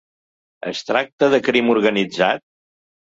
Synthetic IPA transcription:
ə̰st̪ɾak̚t̪əðəkɾimuɾɣənid͡zat̪̚

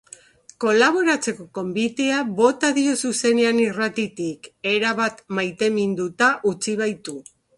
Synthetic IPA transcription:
ko̞laβ̞o̞ɾat͡se̞ko̞ko̞mbit̪eaβo̞t̪aðio̞suse̞ne̞anirat̪it̪ike̞ɾaβat̪majt̪e̞mind̪ut̪aʔut͡siβ̞ajt̪u

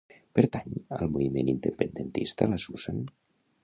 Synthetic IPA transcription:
pəɾt̪aɲəlˠmuβimenind̪əpənd̪ənt̪ist̪ələsuz̥an

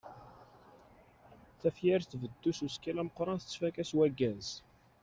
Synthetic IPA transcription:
θæfjæɾθvəd̪ːususkælæməqːɾˤɑnθət͡sːfækæswæɡːæz

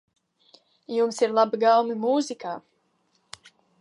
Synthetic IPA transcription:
jumsiɾlˠabiɡawmimuːzikaː

